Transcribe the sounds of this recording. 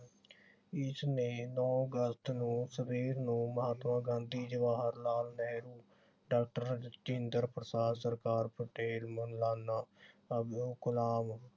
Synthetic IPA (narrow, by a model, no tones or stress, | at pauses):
ɪsneːnɔːɡəst̪nũːsəpiːɾnũːməɦaːt̪mãːɡãːnd̪iːd͡ʒəʋaːɦəɾlaːlnɛːɾuː | ɖaːk̚ʈəɾt͡ʃɪɪnd̪əɾpɾəsaːd̪səɾkaːɾpʰəʈeːlmənlaːnːaːəbd̪uːkʊlaːm